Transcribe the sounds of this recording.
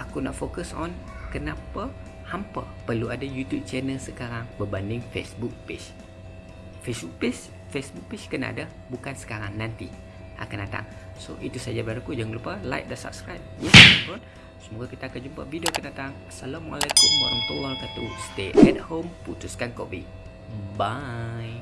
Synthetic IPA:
ʔakunɔ̰ʔfokəsɔnkənapa | hampə̰ | pərluadajut̪jub̚t͡ʃɛnəlsəkaɾaŋbəbandɪŋfḛsbuk̚pḛs | fesbuk̚pes | fesbuk̚pet͡ʃkəna̰ʔa̰da | bukansə̥kaɾaŋnant̪i | ʔa̰kandat̪a̰ŋso̰ʔit̪usad͡ʒabaɾakud͡ʒaŋlupəla̰jk̚dəsa̰p̚skɾajp̚jətɾɔn | səmuɡakit̪aːkand͡ʒumpə̰vidiokandat̪aŋasalamwa̰lajkumːɔ̰ɾəmt̪uwakat̪ust̪eʔɛt̪̚homput̪uskankɔ̰ʔbḭ | baj

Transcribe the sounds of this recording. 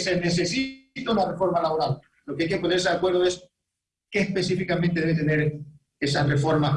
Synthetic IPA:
senes̬e̞sit̪aunare̞fo̞ɾmalaβo̞ɾal | lo̞keajke̞po̞neɾs̬eðakwe̞ɾðoes | keːspe̞sifikamẽnt̪e̞ðeβet̪e̞ne̞ɾ | e̞sarefo̞ɾma

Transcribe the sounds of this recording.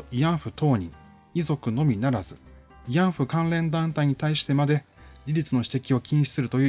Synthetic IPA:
ijãɰ̃ɸɯ̟t̪o̞ːɲ̟ḭ̃ | izo̞kɯ̟no̞mʲinaɾazɨ | ijãɰ̃ɸɯ̟kãnɾẽ̞nd̪ãnt̪aiɲ̟it̪aiɕi̥t̪e̞mad̪e̞ | ɾʲiɾʲit͡sɨno̞ɕi̥t̪e̞kʲio̞kʲĩɰ̃ɕi̥sɨɾɯ̟t̪o̞jɯ

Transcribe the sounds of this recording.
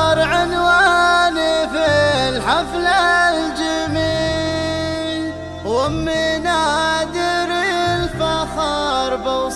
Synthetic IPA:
ɾˤʕɪnwaːnifɪlħaflald͡ʒɪmi | wɪmːɪnad̪ɪɾɪlfaxɑɾˤbɑ

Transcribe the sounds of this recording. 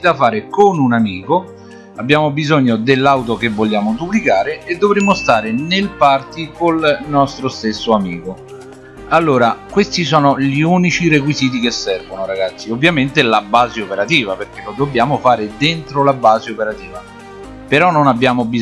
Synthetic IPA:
d̪afaːɾekonunamiːko | abːjaːmobizɔɲːod̪elːawt̪̬okevːoʎjaːmod̪upːlikaːɾeːd̪ːovɾemːost̪aːɾenelpart̪ikolnɔst̪ɾost̪esːoamḭːko | alːoːɾakwest̪isɔːnoʎiuːnit͡ʃirek̬wiziːt̪̬ikesːɛrvonoɾaɡat̪sːiovːjament̪ɪlabaːzeopeɾat̪iːvaperk̟elod̪objaːmofaːɾed̪ent̪ɾolabːaːzeopeɾat̪iːva | peɾɔnːonabːjaːmobi

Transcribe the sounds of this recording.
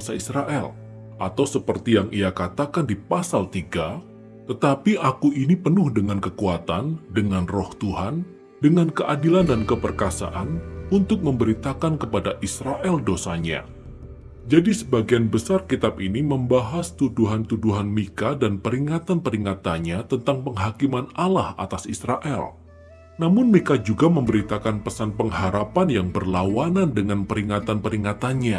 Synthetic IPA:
saisɾaʔɛl | ʔat̪awsəpərt̪ijaŋiakat̪akandipasalt̪iɡa | t̪ət̪apiʔakuʔinipənʊhdəŋankəkuat̪andəŋanrɔht̪uɦan | dəŋankəʔadilandankəpərkasa̰ʔanunt̪ʊk̚məmbəɾit̪akankəpadaʔisɾaʔɛldosaɲa̰ | d͡ʒadisəbaɡianbəsarkit̪ab̚iniməmbaɦast̪uduɦant̪uduɦanmikadanpəɾiŋat̪anpəɾiŋat̪anɲat̪ənt̪aŋpəŋɦakimanalahʔa̰t̪asisɾaʔɛl | namʊnmikad͡ʒuɡaməmbəɾit̪akanpəsanpəŋɦaɾapanjaŋbərlawanandəŋanpəɾiŋat̪anpəɾiŋat̪anɲa

